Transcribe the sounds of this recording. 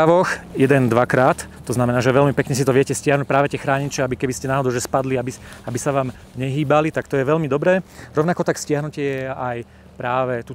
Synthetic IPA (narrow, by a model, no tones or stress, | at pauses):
aʋɔxjɛd̪ɛnd̪ʋakɾaːt̪ːɔznamɛnaːʒɛʋɛʎmipɛkɲɛs̬it̪ɔʋɪɛcɛscɪaɦnuc̚pɾaːʋɛt̪ɪɛxɾaːɲit͡ʃɛabikɛbiscɛnaːɦɔd̪ɔʊʒɛspad̪liabiabisaʋaːm | ɲɛɦiːbalit̪akt̪ɔjɛʋɛlmid̪ɔbɾɛːɾɔʋnakɔt̪akscɪaɦnucɪɛjɛaj | pɾaːʋɛt̪u